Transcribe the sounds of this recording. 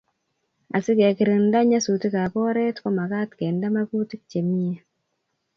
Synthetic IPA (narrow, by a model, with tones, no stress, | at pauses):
a̰˨si˦ke˨ki˨ɾi˨nda˦ɲa˦su˨ti˦ka˨pɔ˦ɾɛ˦tko˦ma˨ka˦tkɛ˨nda˦ma˦pu˦ti˦k̚t͡ʃe˨mi˦je˦